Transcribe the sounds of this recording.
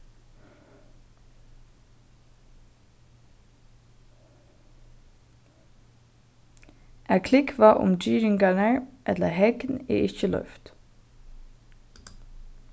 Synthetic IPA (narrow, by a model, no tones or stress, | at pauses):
ʔæːkʰlɪkʰʋɑːʔʊ̰md͡ʒyːɾɪŋɡɑnəɹʔɛt̪ləhɛɡnḛːʔɪçəlœ̰ft̪